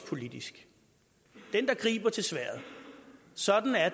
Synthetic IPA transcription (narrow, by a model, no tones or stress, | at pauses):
pʰo̝lid̥isɡ̥ | d̥end̥ɑ̈ɡ̥ʁḭːb̥ɐt͡sʰe̝lsʋæɐ̰ð̩ˠ | sɒ̽d̥n̩æɐ